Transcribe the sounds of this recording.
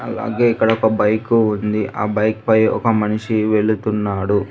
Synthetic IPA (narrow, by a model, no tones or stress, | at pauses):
ɐ̰la̰ːɡe̞ːikːɐɽɐɔkɐbɐjkuːnd̪iʔʔaːbɐjkpɐjɔ̰kɐmɐniʂiʋe̞ɭːut̪unːaːɽu